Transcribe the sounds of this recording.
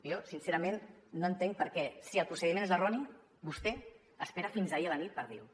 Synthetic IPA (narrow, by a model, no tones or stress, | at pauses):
josinseɾəmenːoənt̪eŋk̚pəɾkɛsiəlˠpɾusəðimẽnezərɔni | bust̪ɛ | əspeɾəfinzaiələnit̪̚pəɾðḭw